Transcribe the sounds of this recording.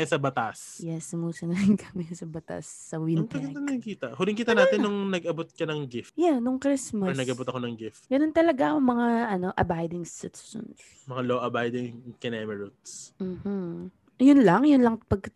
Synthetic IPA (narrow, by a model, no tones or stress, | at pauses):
sɐbɐt̪asjɛsʊmuːsɐnɐɪŋkʰɐmɛsɐbɐt̪a̰sːɐwɪnɡɐɐnɪŋkiːt̪ɐhʊlɪŋkiːt̪ɐnaːt̪ɪnːʊŋnɐɡɐbot̪̚kɐnɐŋɡɪfjanʊŋkɾɪsmɐɐnɐɡʔɐbot̪ɐkonɐŋɡɪft̪ɡ̥ɐnont̪ɐlɐɡaɐŋmɐŋaʔɐno̞ʔɐbajd̪ɪŋsɪt̪ʊ̥sɔ̰ns | mɐŋaloʔɐbajd̪ɪŋkɪnɛmɛɹut̪sm̩ːh̩ | jʊnlɐŋjʊnlɐŋpɐɡ̚kɐ